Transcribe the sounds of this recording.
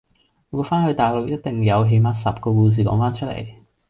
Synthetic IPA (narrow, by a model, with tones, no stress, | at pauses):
wuː˨˧˥faː˥nhɵ˨˧ɥt̪aː˨˩jlɔ˨k̚jɐ˥t̚t̪ɪ˨ŋjɐ˨˧wɦe˨˧jmaː˧tsɐ˨p̚kɔː˧kuː˧s̬iː˨kɔ̰ː˨˥ŋfaː˥nt͡ʃʰɵ˥t̚lḛ˨˩j